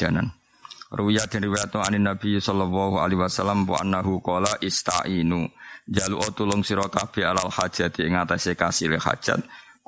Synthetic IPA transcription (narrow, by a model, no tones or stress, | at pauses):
anan | ruijad̪̥ɛnriwajat̪ɔaninab̥isɔlɔlːɔɦua̰liɦwasalːampṵʔa̰nːaɦukɔlaʔist̪a̰ʔinud͡ʒaluʔɔt̪ulʊŋsiɾɔkab̥ealalhad̥ʒ̥a̤t̪iŋat̪asekasileha̰d̥ʒ̥a̰t̪̚